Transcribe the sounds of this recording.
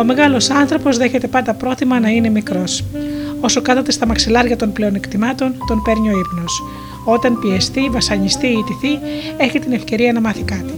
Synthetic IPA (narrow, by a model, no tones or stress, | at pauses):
o̞me̞ɣɐlo̞sɐnθɾo̞po̞zðe̞çe̞t̪e̞pɐnd̪ɐpɾo̞θimɐnɐine̞mikɾo̞so̞so̞kɐθɐt̪e̞st̪ɐmɐksilɐɾʝɐt̪o̞nple̞o̞nekt̪imɐt̪o̞nt̪o̞npe̞ɾɲo̞ipnos | o̞t̪ɐnpie̞st̪ivɐsɐɲist̪iːt̪iθie̞çit̪ine̞fce̞ɾiɐnɐmɐθikɐt̪i̥